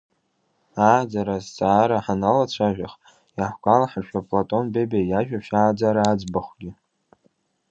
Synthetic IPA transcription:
aːd͡zaɾazt͡sʼaːɾaħanalat͡ɕʷʰaʒʷᶣaχ | jaħʷɡʷʼalaħarʃᶣapʼlatʼo̞nbebajaʒᶣaʃaːd͡zaɾaːd͡zbaχʷɡʲɪ

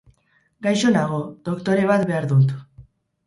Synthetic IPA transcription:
ɡajso̞naɣ̞o̞ðo̞kt̪o̞ɾe̞β̞at̪be̞aɾðut̪

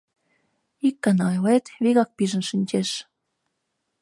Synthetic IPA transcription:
ikːɑnɑjlet̪βiɣɑk̚piʒə̆nʃənʲt͡ɕeʃ

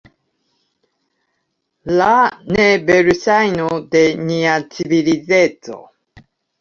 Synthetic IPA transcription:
lanebeɾysajnod̪eɲiat͡siβiliðet͡so̰

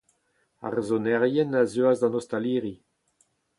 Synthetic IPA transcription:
a̰ʁezɔnɛʁjɛnazøazd̪ɑ̃nɔst̪aliːʁi

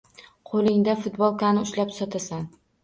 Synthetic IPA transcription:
qʰolˠɪŋd̪afʊt̪bɒlˠkʰanɪʊʃlapsɒt̪ʰasan

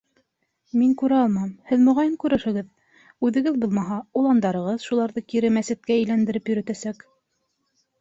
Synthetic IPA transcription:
miŋkʉɾæɑlˠmɑmhɘðmŏʁɑjɤŋkʉɾɘ̆ʃɘ̆ɡɘð | ʉðɘ̆ɡɘðbulˠmɑɦɑulˠɑnd̪ɑɾɤ̆ʁɤðʃulˠɑɾðɤkiɾɘmæsɘ̆t̪̚kæɘ̆jlænd̪ɘ̆ɾɘpjɵ̆ɾɵ̆t̪æsæk

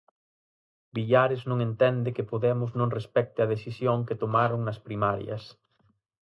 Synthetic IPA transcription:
biʎaɾɪznõŋent̪ɛnd̪ɪkɪpoðɛmʊznõŋrespɛk̚t̪ɪɐðeθisjoŋket̪omaɾʊŋnɐspɾimaɾjɐ̰s

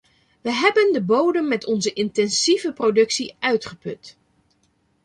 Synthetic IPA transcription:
ʋəɦɛbəndəbowdəmːɛtɔnzəʔɪntɛnsivəprodɵksiʔœɥtχəpɵt

